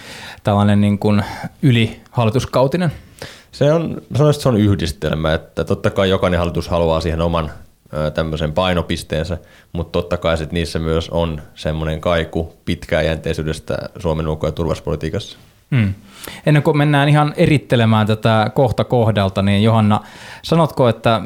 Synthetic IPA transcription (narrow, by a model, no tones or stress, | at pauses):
t̪ælːɑnenniːŋkunylihɑlːˑit̪uskɑwt̪inenseonsɑnoˑist̪seonyhdist̪ḛlmæet̪ːæt̪ot̪ːɑkɑijokɑnehɑlːˑit̪ushɑluɑːsiːhenomɑn | t̪æmːøsempɑinopist̪eːnsæ | mut̪t̪ot̪ːɑkɑisit̪niːsːæmyøsonsemːoneŋkɑikupit̪kæːjænt̪eisyːdest̪æ̰suomenukːojɑt̪urʋɑ̰spo̰lit̪iːkɑsːɑ̥ | m̩ːenːeŋkumenːæːnihɑnerit̪ːelemæːnt̪æt̪ækoht̪ɑkohdɑlt̪ɑniːnjohɑnːɑsɑnot̪koet̪ːæ